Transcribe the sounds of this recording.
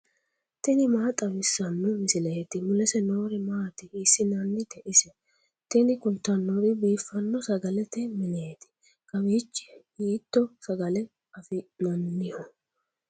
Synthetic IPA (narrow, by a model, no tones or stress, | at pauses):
t̪ɛnɪmaːt̪ʼɐbɪsːɐnːɔmɪsɪlɐjɛt̪ɪmʊlɛsɛno̞ːɾɛmaːt̪ɪɪsːɪnɐnːɪt̪ɛʔɪsɛ | t̪ɛnɪkʊlt̪ːɐnːɔɾɪbiːfːɐnːɔsɐɡɐlɛt̪ɛmɪneːt̪ɪ̥ | kɐbiːt͡ʃːɪ̥jiːt̪ːɔsɐɡɐlɛ | ɐfɪnɐnːɪhɔ